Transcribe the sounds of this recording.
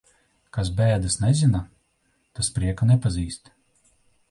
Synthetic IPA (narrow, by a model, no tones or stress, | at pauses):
kas̬bæːd̪ɨsnɛzina | t̪aspɾiɛkanɛpaziːst̪